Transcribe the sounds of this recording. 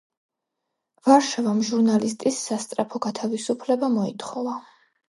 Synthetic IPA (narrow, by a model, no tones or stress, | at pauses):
vaɾʃavamʒuɾnalist̪ʼisːast̪sʼɾapʰɔɡat̪ʰavisupʰlɛbamɔit̪ʰχɔva